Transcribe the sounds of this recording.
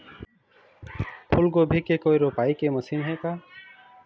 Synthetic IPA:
pʰulɡobʱikekojɾopajkemusimɦeka

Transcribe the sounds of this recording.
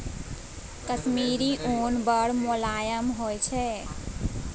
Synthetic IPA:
kəsmiɾiʔonbəɽmolajəmɦojt͡ʃʰɛ

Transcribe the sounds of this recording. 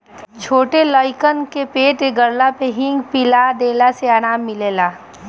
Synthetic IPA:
t͡ʃʰoːʈeləɪkənkepeːʈeɡəɾlapeɦɪ̃ŋɡpɪlad̪eːlaseaːɽ̃aːmːɪleːlaː

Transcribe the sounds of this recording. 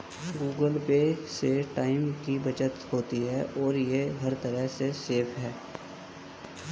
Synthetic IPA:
ɡuːɡəlpeseʈaːɪmkibɐt͡ʃət̪hoːt̪iɦɛːʔɔːɾjeɦɐɾt̪ɐɾəɦseseːpʰɦɛː

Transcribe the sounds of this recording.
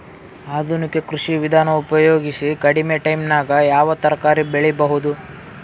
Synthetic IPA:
aːd̪ʱunike̞kɾuʂiʋid̪ʱaːnɐupɐjo̞ːɡisikɐɽimeʈɐjmnaːɡɐjaːʋɐt̪ɐɾɐkaːɾibeɭibɐɦud̪u

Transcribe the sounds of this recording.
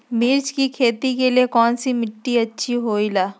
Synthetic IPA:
mɪɾt͡ʃkikʰeːt̪ikeliekɔːnsimɪʈːiɐtːʃʰiɦoːilaː

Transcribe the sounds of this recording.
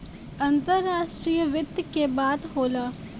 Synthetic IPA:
ɐ̃nt̪əɾːaːʃʈɾiːjəʋɪt̪kebaːd̪ɦoːlaː

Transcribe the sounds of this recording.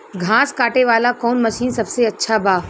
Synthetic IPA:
ɡʱãːskaːʈeʋaːlakɔːnmɐʃiːnsɐbseɐtːʃʰabaː

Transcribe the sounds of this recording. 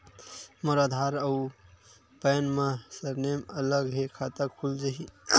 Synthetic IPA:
məɾad̪ʱaɾəu | pəjnmasəɾnemələɡɦekʰat̪əɾkʰuld͡ʒaɦi

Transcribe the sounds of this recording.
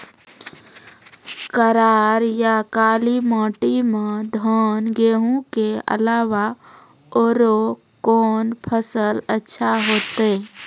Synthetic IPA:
kəɾaːɾjakaːlimãːʈimẽd̪ʱɔːnɡeːɦũkeə̰laːʋa | oːɾo | koːnpʰəsələtːʃʰaɦoːt̪e

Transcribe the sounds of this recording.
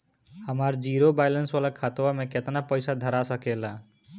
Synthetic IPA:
həmaɾd͡ʒiɾobajlənsʋalakʰat̪wameket̪napəjsad̪ʱəɾasəkela

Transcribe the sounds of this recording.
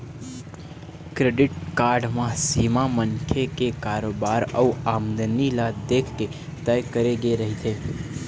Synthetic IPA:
kɾeɖɪʈkaɾɖmãsimamənkʰekekaɾobaɾə̰uamd̪ənilad̪ekʰke | t̪əjkəɾeɡeɾəɦit̪ʰe

